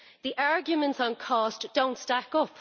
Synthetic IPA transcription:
ðiʔaɹɡjəmə̃ntsə̃nkʰɔˑsd̥õʊ̃ntstakʊp

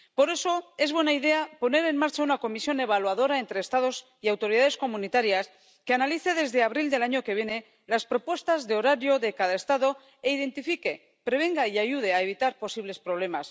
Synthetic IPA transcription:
po̞ɾe̞so̞e̞zβwe̞naiðe̞apo̞ne̞ɾe̞nmaɾt͡ʃaunako̞misjo̞ne̞β̞alwaðo̞ɾae̞nt̪ɾe̞ːst̪aðo̞s | iawt̪o̞ɾiðaðe̞sko̞mũnit̪aɾjas | ke̞analiθe̞ðe̞zðeaβɾild̪e̞laɲo̞ke̞βje̞ne̞ | laspɾo̞pwe̞st̪azðeo̞ɾaɾjo̞ðe̞kaðaest̪aðo̞ | e̞iðe̞nt̪ifike̞ | pɾe̞β̞e̞ŋɡaiaʝuð̞e̞aeβ̞it̪aɾpo̞siβle̞spɾo̞β̞le̞mas

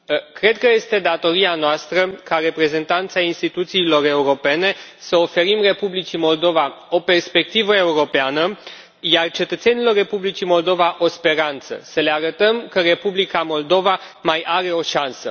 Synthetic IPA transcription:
kɾe̞d̪̚kəje̞st̪e̞d̪at̪o̞ɾianoast̪ɾəkaɾe̞pɾe̞ze̞nt̪ant̪sainst̪it̪ut̪siːlo̞re̞uɾo̞pe̞ne̞səo̞fe̞ɾimre̞publit͡ʃimo̞ld̪o̞vao̞pe̞rspe̞k̚t̪ivəe̞uɾo̞peanə | jart͡ʃe̞t̪ət̪senilo̞rːe̞publit͡ʃimo̞ld̪o̞vaʔo̞spe̞ɾant̪sə̰səle̞aɾət̪əmkəre̞publikamo̞ld̪o̞va | majʔaɾe̞o̞ʃansə

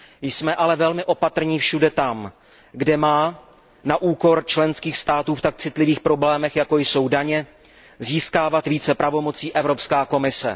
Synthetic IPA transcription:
jsmɛʔalɛvɛlmɪʔo̞pat̪r̩ɲiːfʃudɛt̪am | ɡdɛmaː | naʔuːko̞ɾt͡ʃlɛnskiːxst̪aːt̪uːft̪ak̚t͡sɪt̪lɪviːxpɾo̞blɛːmɛxjako̞jso̞wdaɲɛ | ziːskaːvat̪viːt͡sɛpɾʔavo̞mo̞t͡siːʔɛvɾo̞pskaːko̞mɪsɛ̰

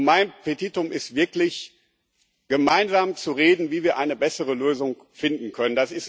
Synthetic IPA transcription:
maɪnpʰetitʊmʔɪstv̥ɪɐklɪç | ɡ̥əmaɪnzaːmt͡suʁeːdn̩viːviːɐʔaɪnəbɛsəʁ̞əløːzʊŋ | fɪndn̩kʰœnəndasɪs

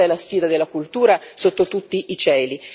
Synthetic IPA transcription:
ɛlasfiːd̪ad̪elːakult̪uːɾasot̪ːot̪ut̪ːiʔːt͡ʃɛːli

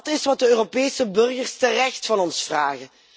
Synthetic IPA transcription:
tɪsʋɑt̚dəøːropeːjsəbɵrɣərstərɛxtfɑnɔnsfraːɣə

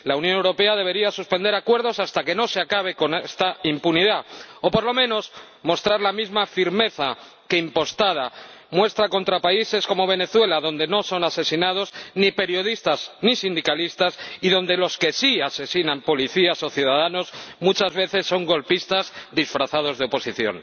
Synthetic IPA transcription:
launjonewɾo̞pe̞aðe̞β̞e̞ɾiasuspend̪eɾakwe̞ɾð̞o̞sast̪ake̞no̞seakaβ̞e̞ko̞nest̪aimpuniðao̞po̞ɾlo̞mẽ̞no̞s | mo̞st̪ɾaɾlamizmafiɾme̞θa | ke̞impo̞st̪að̞a | mwe̞st̪ɾako̞nt̪ɾapaise̞sko̞mo̞β̞e̞ne̞θwe̞laðo̞nd̪e̞no̞so̞nase̞sinað̞o̞znipe̞ɾjo̞ðist̪aznisind̪ikalist̪asiðo̞nd̪e̞lo̞ske̞siase̞sinãmpo̞liθiaso̞θjuðað̞ano̞zmut͡ʃazβe̞θe̞sːo̞ŋɡo̞lpist̪azd̪isfɾaθað̞o̞zðeopo̞siθjo̞̰n

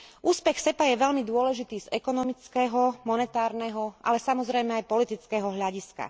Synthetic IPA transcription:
ʔuːspɛxsɛpajɛʋɛʎmid̪ʊɔlɛʒit̪iːzɛkɔnɔmit͡skɛɦɔmɔnɛt̪aːɾnɛɦɔʔa̰lɛsamɔzɾɛjmɛajpɔlit̪it͡skɛɦɔɦʎaɟiska̰

